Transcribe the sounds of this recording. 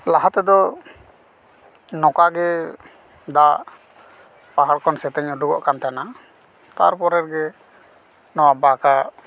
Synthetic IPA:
laɦat̪ɛd̪ɔ | nɔkaɡɛ | d̪aʔ | paɦaɽkɔnsɛt̪ɛɲuɖuɡɔ̰ʔkant̪ana | t̪a̰ɾpɔɾɛɾɡɛ | nɔwabaka

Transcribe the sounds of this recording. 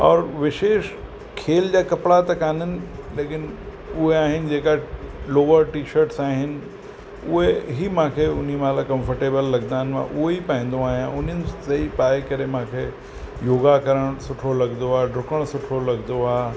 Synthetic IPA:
ɔːɾʋɪʃeːʃ | kʰeːld͡ʑaːkɐpɽat̪ɐkaːnənɪ̆leːkɪn | ʊɦeaːɦɪnɪ̆d͡ʑeːkaloːʋəɾʈiːʃəɾʈsaːɦɪnɪ̆ | ʊɦeɦimãːkʰeʊn̤imãlakɐ̃mfəɾʈeːbəlːɐɡd̪aːɪnmã̰ʔʊɦeipaĩːnd̪oaːɦijãʔʊn̤ənɪ̆sɐipaːekɐɾemãːkʰeː | joːɡakɐɾəɽ̃sʊʈʰolɐɡnd̪oaːɖʱɾʊkəɽ̃sʊʈʰolɐɡnd̪oaː

